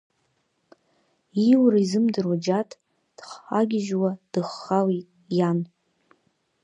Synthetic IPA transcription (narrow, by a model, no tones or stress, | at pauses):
iwɾaizɨmdɨrwad͡ʒatʼ | d̥χħaɡʲɪʒwad̥ɨχːawitʼ | jan